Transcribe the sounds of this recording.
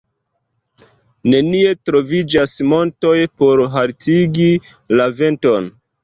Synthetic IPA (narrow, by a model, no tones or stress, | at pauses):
ne̞nie̞tɾo̞vid͡ʒasmo̞nto̞jpo̞ɾɦaltʰiɡi | lave̞nto̞n